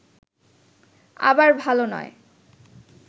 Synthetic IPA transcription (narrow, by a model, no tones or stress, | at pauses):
a̰baɹbʱalonɔ̰e